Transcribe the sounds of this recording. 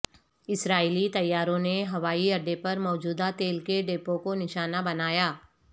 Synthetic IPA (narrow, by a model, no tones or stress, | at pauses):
ɪsɾaːilit̪ɐjːaːɾõneɦɐʋaːiɐɖepɐɾmɔːd͡ʒuːd̪at̪eːlkeɖeːpõkonɪʃaːnabɐnaːjaː